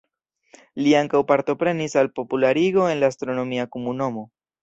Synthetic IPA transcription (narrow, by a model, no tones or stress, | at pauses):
liaŋkawpaɾt̪o̞pɾe̞nisalpo̞pulaɾiɡo̞e̞nlaːst̪ɾo̞no̞miakomuno̞mo̞